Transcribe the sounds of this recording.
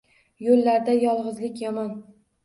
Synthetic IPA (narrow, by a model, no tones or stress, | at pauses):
jolːaɾd̪ajɒlˠʁɨzlɪkʲjɒmɒn